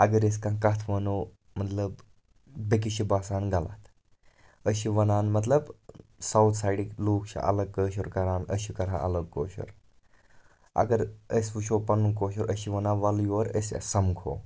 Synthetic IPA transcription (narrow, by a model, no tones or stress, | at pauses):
ɐɡəɾeskãkat̪ʰʋɐno | mɐt̪ləb | bek̬iɕibaːsaːnɡala̰ːt̪ | əɕiʋɐnaːnmɐt̪̬ləbsawt̪ʰsajɽikloːkɕa̰ʔɐ̰ləɡ̚kəɕɐɾkɐɾaːnəɕikɐɾã̰ʔɐ̰ləɡko̰ːɕə̰ɾ | ɐ̰ɡəɾəsʋuʃopɐnːukoːɕɐɾʔəɕiʋɐnaʋaljʋəɾə̰sa̰sɐmkʰo̰ː